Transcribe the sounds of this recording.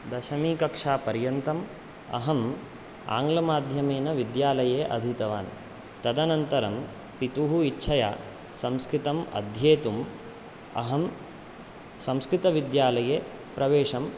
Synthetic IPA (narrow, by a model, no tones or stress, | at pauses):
d̪ɐʃɐmiːkɐkʂaːpɐɾjɐnt̪ɐm | ɐ̰ɦɐm | a̰ːŋɡlɐmaːd̪ʱjɐmeːnɐʋid̪jaːlɐjeːʔɐ̰d̪ʱit̪ɐʋa̰ːn | t̪ɐd̪ɐnɐnt̪ɐɾɐm | pit̪uɦuitːʃʰɐja̰ː | sɐmskɾit̪ɐmɐ̰d̪ʱjeːt̪um | ɐ̰ɦɐm | sɐ̃mskɾit̪ɐʋid̪jaːlɐjeː | pɾɐʋeːʂɐm